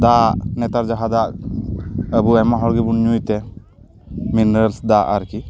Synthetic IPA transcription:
d̪anɛt̪aɾd͡ʒaɦad̪ak | əbuɛmaɦɔɾɡibunɲujt̪ɛ | minɾəlsd̪aʔaɾki

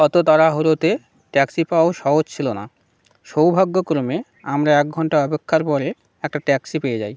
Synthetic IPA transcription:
ɔt̪ot̪aɾaɦuɾot̪e | ʈɛksipawoʃɔɦod͡ʑt͡ɕʰilona̰ | ʃowbʱaɡːokɾome | amɾaɛk̚ɡʱɔɳʈaɔpekʰːaɾpɔɾe | ɛk̚ʈaʈɛksipejed͡ʑa̰j

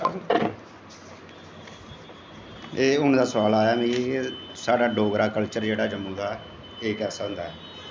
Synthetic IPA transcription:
eːʊnd̪aːsʋaːlaːjaːmĩ | saːɖaːɖoːɡɾaːkəlt͡ʃəɾd͡ʒeːɽaːd͡ʒəmːũːd̪aː | eːkɛːsaːɦʊ̃nd̪aːɛː

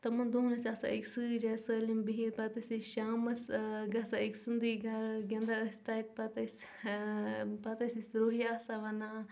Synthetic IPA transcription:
t̪ɐmɐnd̪oɦnɐsʲasa̰ʔiksɨd͡ʒasəːlimbiɦit̪pɐt̪ɐsʲiʃaːmɐsɡɐsaiksund̪iɡʱɐɾɡʲɐ̃nd̪aəsʲt̪aːit̪̚pɐt̪ɐs | pɐt̪ɐsisɾoːɦijaːsaʋɐna

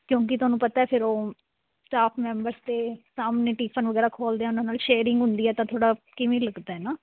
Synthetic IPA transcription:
kjõːk̬ɪt̪ʊɦaːnũːpət̪aːɛːpʰɪɾoː | sʈaːpʰmɛ̃ːmbəɾst̪eːsaːmneːʈiːpʰənʋəɡɛːɾaːkʰoːld̪eɛ̃ːʊnãːnaːlʃeːɾɪ̃ŋɡɦʊnd̪iːɛːt̪ãːt̪ʰoːɽaːkɪʋẽːləɡd̪aːɛːnaː

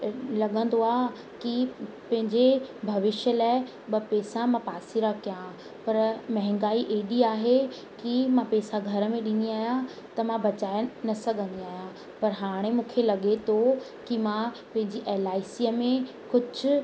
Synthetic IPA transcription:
lɐɠə̃n̆d̪oaː | ki | pɐ̃ɦɪ̃ɲd͡ʑebʱɐʋɪʃjəlaːɪ | ɓɐpɛːsãmãpaːsiɾakjã | pɐɾmɐɦɪ̃ŋɡaːiʔeːɗiaːɦe | kimãpɛːsaɡʱɐɾə̆mẽɗɪ̃ːnd̪iaːɦijã | t̪ɐmãbɐt͡ɕaːenɐsɐɡʱə̃nd̪iaːɦijã | pɐɾɦaːɽ̃emũːkʰelɐɠet̪ʰo | kimã | pɐ̃ɦɪ̃ɲd͡ʑiʔeːlaːɪsiəmẽ | kʊd͡ʑʱʊ

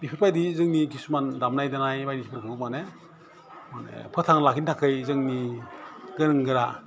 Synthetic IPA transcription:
bipʰiɾpʰajdizɯŋnikʰisumandamnajdanajbajdiipʰɯɾkʰɯk̚mane | manḛpʰɯtʰaŋlakʰintʰakʰɯjzɯŋni | ɡɯnɯŋɡɯɾa

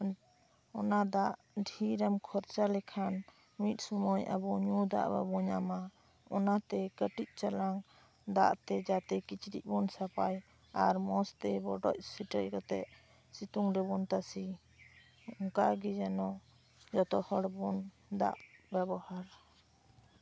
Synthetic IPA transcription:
ɔnad̪aʔ | ɖʱiɾamkʰɔɾt͡ʃalɛkʰan | mit̪̚ˀsumɔja̰bɔɲud̪a̰ʔba̰bɔɲama | ɔnat̪ɛkəʈic̪̚ˀt͡ʃalaŋ | d̪a̰ʔt̪ɛd͡ʒat̪ɛkit͡ʃɾḭc̚ˀbɔnsapaj | aɾmɔst̪ɛbɔɖɔ̰c̚siʈəckɔt̪ɛʔ | sit̪uŋɾɛbɔnt̪asi | ɔŋkaɡɛd͡ʒanɔ | d͡ʒɔt̪ɔhɔɽbɔn | d̪a̰ʔbɛbɔhaɾ

